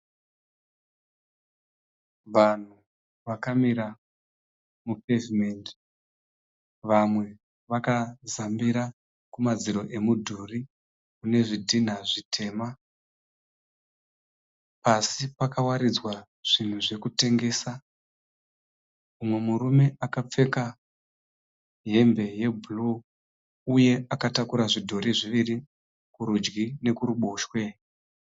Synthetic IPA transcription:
ʋan̤u | ʋakamiɾa | mupevimend | ʋamwe̞ | ʋakazambiɾa | kumad͡ziɾo̞ʔe̞mudʱuri | une̞ʐidʱin̤aʐitʰe̞ːma | pasipakawaɾid͡zwa | ʐ̥in̤uʐe̞kute̞ŋɡe̞ːsa | umwe̞murume̞ʔakap͡fe̞ka | ɦe̞mbe̞je̞bʱulu | uje̞akatakuɾaʐidʱoɾiʐiʋiri | kuɾud͡ʒɡine̞kuɾuɓo̞ːʃwe̞

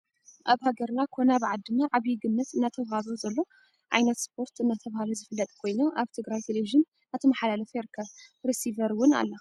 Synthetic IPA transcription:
ʔaβhaɡɐɾnakʰo̞naβɨʕad̪ːɨnaʕaβjɪɡɨnːɐt̪ɨnːat̪ʰɐwhazozɐlːo̞ | ʕa̰jnɐt̪spʰo̞ɾt̪ɨnːat̪ʰɐβahalozɨfɨlːɐt̪ʼkʰo̞jnoʔaβt̪ʰɨɡɾajt̪ʰeleviʒɨn | at̪ʰɐmaħalalɐfjɛɾɨkʰːɐβɾisivɐɾwʊna̰lːɐ

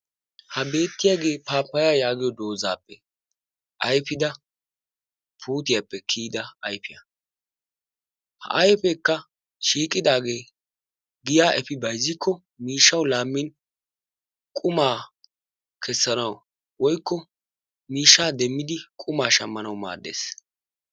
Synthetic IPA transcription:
hɐbe̞ːt̪ːɪjaɡe̞ːpaːpːɐjaːjaːɡɪjɔd̪o̞ːza̰ːpːɛ | ʔɐjfɪd̪ɐ | pʰuːt̪ɪjapːɛkʰiːd̪ɐɐjpɪjɐ̰ | hɐ̰ʔɐjpɛkːɐ | ʃiːkʼːɪd̪aːɡe̞ː | ɡɪjaːʔɛfɪbɐjzːɪkʰːɔ | miːʃːɐwlaːmːɪn | kʼʊmaː | kʰɛsːɐnɐw | wɔjkːɔ | miːʃːaːd̪ɛmːɪd̪ɪkʼʊmaːʃɐmːɐnɐwma̰ːd̪ːe̞̰ːs

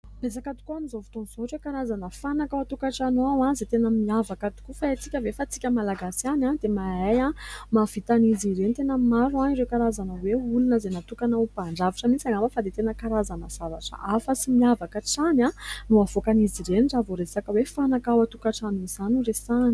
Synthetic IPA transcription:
bez̬akat̪u̥kuanizovit̪onzoʈ͡ʂekaɾazanəfanakawat̪ukaʈ͡ʂanoawãzet̪enəmiavakat̪u̥kufaet͡sikʲəvefat͡si̥kʲəmalaɡasanad̪emaajamav̥it̪aniziɾenit̪enəmaɾuaiɾekaɾazanəweulunəzenat̪ukanəupaɳɖ͡ʐaviʈ͡ʂamit͡saŋɡaməfad̪et̪enəkaɾazanəz̥avaʈ͡ʂə̰ʔafəsimiavakaʈ͡ʂanãnuavokaniziɾeniɳɖ͡ʐavoɾesakəwefanakawat̪ukaʈ͡ʂanuiz̥anuresani

